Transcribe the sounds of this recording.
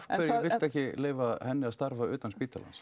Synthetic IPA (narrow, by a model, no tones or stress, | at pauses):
kɛɾjɛvɪ̥t̪ɛhcɪleːjvahɛnːɪaðst̪aɾvaʏːt̪anspiːt̪ala̰ns